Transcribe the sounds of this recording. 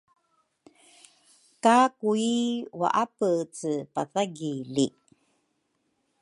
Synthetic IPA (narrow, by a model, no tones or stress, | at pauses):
kakuiwa̰ʔapət͡sɨpaθaɡili